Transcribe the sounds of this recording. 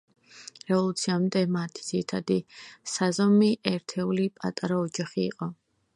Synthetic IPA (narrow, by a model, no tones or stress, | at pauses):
ɾɛvɔlˠut̪sʰiamd̪ɛmat̪ʰi̥d̪z̥iɾit̪ʰad̪isazɔmiʔɛɾt̪ʰɛulipʼa̰t̪ʼaɾaɔd͡ʒaχḭːqʼɔ